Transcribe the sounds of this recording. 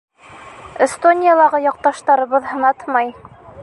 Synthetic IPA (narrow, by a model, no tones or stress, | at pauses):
est̪onʲijalˠɑʁɤjɒq̚t̪ɑʃt̪ɑɾɤ̆βɤðhɤ̆nɑt̪mɑj